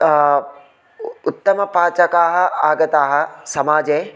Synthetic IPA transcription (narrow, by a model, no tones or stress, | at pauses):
ut̪ːɐmɐpaːt͡ʃɐkaːɦɐ̆aːɡɐt̪aːɦɐ̆sɐmaːd͡ʒeː